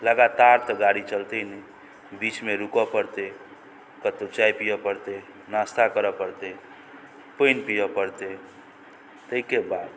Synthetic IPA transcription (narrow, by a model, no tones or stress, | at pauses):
ləɡat̪aɾt̪ɔɡaɽit͡ʃəlt̪ənɛ | bit͡ʃmeɾukɔpəɾt̪e | kət̪ot͡ʃajpijɔpəɾt̪e | nast̪ʰakəɾɔpəɾt̪e | pəɪnpijɔpəɾt̪e | t̪əikebad̪